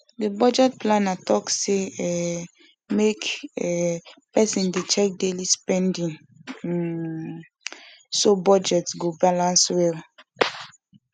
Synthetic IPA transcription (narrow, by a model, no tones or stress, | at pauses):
debɔd͡ʒɛt̚plãnatʰɔkseɛ | mek | pɛsĩndet͡ʃɛk̚delispɛ̃ndĩŋ | sobɔd͡ʒɛtsɡobalãnswɛl